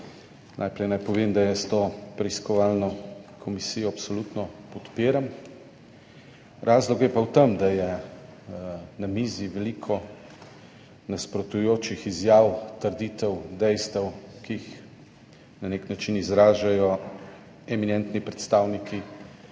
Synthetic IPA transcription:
nʔajpɾɛjnajpɔʋeːmd̪ajəst̪oːpɾɛiskɔʋalnɔkʰɔmisijɔapsɔlut̪nɔpɔt̪peːɾam | ɾʔaːzlɔkjɛpawt̪əmd̪ajɛ | namiːziʋɛlikʰɔ | naspɾɔt̪ujoːt͡ʃixizjaːwt̪əɾd̪iːt̪ɛwd̪ɛjst̪ɛwkiːx | naneknat͡ʃinizɾaːʒajɔ | ɛminɛnt̪nipɾɛt̪st̪aːwnikʰi

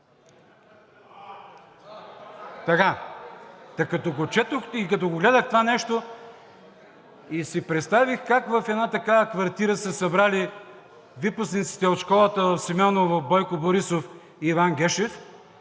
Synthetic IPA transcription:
t̪ɐka | t̪ɐkɐt̪ɔɡot͡ʃɛt̪oxikɐt̪ɔɡoɡlɛd̪əxt̪ovanɛʃt̪o | isipɾɛt̪st̪avixkakvɐfɛd̪nat̪ɐkavɐkvɐɾt̪iɾəsəsɐbɾali | viposnit̪si̥t̪ɛot̪ʃkɔlˠət̪əvɐfsimʲɔnəvɐfbɔjkoboɾisof | iːvanɡ̟ɛʃɛf

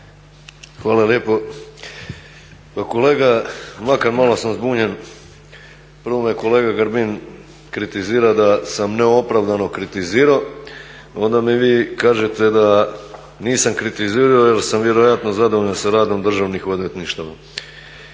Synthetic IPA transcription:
xʋaːlˠaljeːpo̞ | pakole̞ːɡamakaɾmalosamzbuːɲe̞n | pr̩ʋomijeko̞leːɡaɡaɾbin | kɾit̪iziːɾad̪asamneo̞pɾaʋd̪ano̞kɾit̪iziːɾa | o̞nd̪amiʋiːkaːʒet̪e̞d̪a | niːsamkɾit̪iziːɾaojelsamʋje̞ɾo̞jat̪no̞zad̪ooʎansaɾaːd̪o̞md̪r̩ʒaʋnixod̪ʋet̪niʃt̪aʋa̰

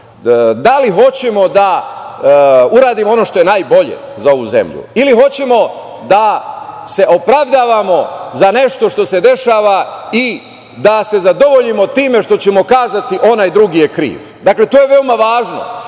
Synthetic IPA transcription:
d̪aliɦo̞t͡ɕemo̞d̪a | uɾaːd̪imoo̞no̞ʃt̪o̞jenaːjbo̞ʎḛ | zao̞ʋuze̞̰mʎṵiliɦo̞t͡ɕe̞mo̞ | d̪ase̞ʔo̞pɾaʋd̪aːʋamo̞zane̞ʃt̪o̞ʃt̪o̞se̞d̪e̞ʃaːʋai | d̪ase̞zad̪o̞ʋo̞ʎimo̞t̪iːme̞ʃt̪o̞t͡ɕemo̞kaːzat̪iʔo̞najd̪ɾuɡijekɾḭːʋ | d̪akle̞t̪oːjeʋe̞omaʋaːʒno̰

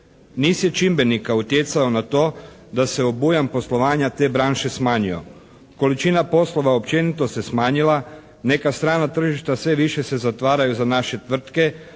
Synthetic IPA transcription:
niːsje̞t͡ʃimbe̞nikaut̪jet̪saonat̪o̞ː | d̪ase̞obujampo̞slo̞ʋaːɲat̪e̞ːbɾaːnʃe̞smaːɲijo̰ | ko̞lit͡ʃinapo̞slo̞ʋaopt͡ʃe̞nit̪o̞se̞smaːɲila | ne̞kast̪ɾaːnat̪r̩ʒiʃt̪asʋe̞ʋiʃe̞se̞zat̪ʋaːɾajuzanaʃe̞t̪ʋr̩t̪ke̞

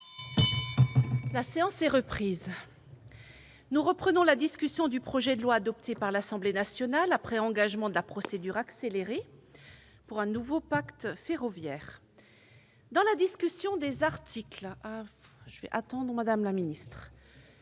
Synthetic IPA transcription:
laseɑ̃sɛʁəpχiːz | nuʁəpχənɔ̃lad̪iskʲysjɔ̃d̪ypχɔʒɛd̪əlwaːd̪ɔp̚t̪ʰepaʁlasɑ̃blenasjɔnalapχɛɑ̃ɡaʒmɑ̃d̪əlapχɔsed̪yʁakseleʁe | puʁɛ̃nuvopakt̪feʁɔvjɛːʁ | d̪ɑ̃lad̪iskʲysjɔ̃d̪ezaʁt̪ʰiklaʒəvɛ̰ʔat̪ɑ̃d̪ʁəmad̪amlaminist̪χ

